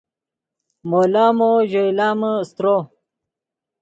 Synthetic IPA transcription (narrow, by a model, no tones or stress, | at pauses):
molaːmoʑoilaːməst̪ɾo